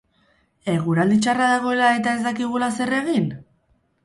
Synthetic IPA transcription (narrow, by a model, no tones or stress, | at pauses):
e̞ɣ̞uɾald̪it͡ʃaraðaɣ̞o̞e̞lae̞t̪ae̞zd̪akiɣ̞ulase̞re̞ɣin